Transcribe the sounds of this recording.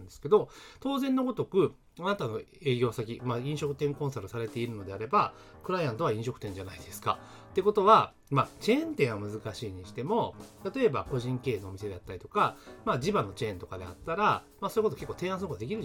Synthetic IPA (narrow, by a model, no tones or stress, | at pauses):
nd̪esɨ̥ke̞d̪o̞t̪o̞ːzẽ̞nːo̞ɡo̞t̪o̞kɯ̟ | anat̪ano̞e̞ːɡʲo̞ːsak̬ʲimaĩɰ̃ɕo̞kɯ̟t̪ẽ̞ŋkõ̞ɰ̃saɾɯsaɾe̞t̪e̞iɾɯ̟no̞d̪e̞aɾe̞ba | kɯ̟ɾaijãnt̪o̞βaĩɕo̞kɯ̟t̪ẽ̞ɲd͡ʑanaid̪e̞sɨ̥ka̰ | t̪ːe̞ko̞t̪o̞βa | mat͡ɕẽ̞ːnt̪ẽ̞ɰ̃βamɯ̟zɨkaɕiːɲ̟iɕi̥t̪e̞mo̞t̪at̪o̞e̞bako̞ʑĩŋke̞ːno̞ːmise̞d̪e̞at̪ːaɾʲit̪o̞kamad͡ʑibano̞t͡ɕẽ̞ːnt̪o̞kad̪e̞̰a̰t̪ːaɾamasojɯkotoke̞kːot̪ẽ̞ãsɨnokok̪ːad̪ekʲiɾɯ̟